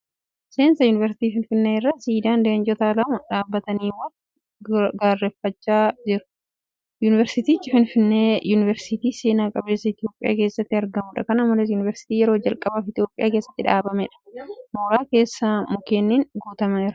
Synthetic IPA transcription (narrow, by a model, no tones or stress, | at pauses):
se̞ːnsɐjʊːnɪvɛɾsɪ̥t̪iːfɪnfɪnːeːɪrːasiːd̪aːnd̪end͡ʒɔt̪aːlɐmɐᶑaːbːɐt̪ɐniːwɐn | ɡaːrːɛfːɐt͡ʃːaːd͡ʒɪɾʊ̥ | juːnɪvɛɾsɪt̪iːt͡ʃːɪfɪnfɪnːe̞ːjuːnɪvɛɾsɪt̪iːseːnaːkʼɐbe̞ːsːɐɪt̪ɪjo̞ːpʼɪjʔa̰ːke̞ːsːɐt̪ːɪɐɾɡɐmʊᶑɐkɐnɐmːɐlɛs̬juːnɪvɛɾsɪ̥t̪iːjɛɾo̞ːd͡ʒɐlkʼɐbaːfɪt̪ɪjo̞ːpʼːɪjaːke̞ːsːɐ̥t̪ːɪᶑaːbɐmɛᶑɐ̥moːɾaːke̞ːsːamʊkeːnːiːŋɡuːt̪ɐmɐɛɾɐ